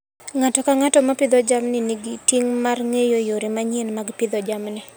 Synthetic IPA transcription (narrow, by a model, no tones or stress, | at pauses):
ŋatɔkaŋatɔmapɪd̪ɔd͡ʒamnɪniɡitiŋmarŋejojoɾimaɲenmaɡpɪd̪ɔd͡ʒamnɪ